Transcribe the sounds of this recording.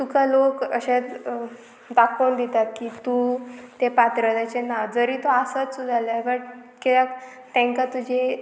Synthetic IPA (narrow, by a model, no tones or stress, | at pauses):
t̪ukalokə̰ɕet̪ | d̪akʰoɳd̪it̪at̪̚kiːt̪ut̪epat̪ɾəd̪ajt͡ɕenad͡zəɾiːt̪oasət̪sud̪ʱalaʋəɾket̪ak | t̪ɛ̃ŋkat̪ud͡ʑe